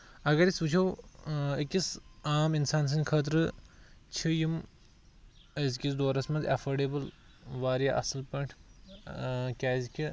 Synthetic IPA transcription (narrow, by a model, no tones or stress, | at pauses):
ɐɡɐɾisuːt͡ʃʰɐwikisaːminsaːns̬ɐnkʰɐːt̪̬ɾɨ | t͡ʃʰijim | ɐzkisd̪oːɾɐsmɐ̃nzɐ̰fʰɐɾɖeːbɨl | ʋaːɾjaʔɐ̰sɨlpɐɳʈʰ | kʲaːzkʲi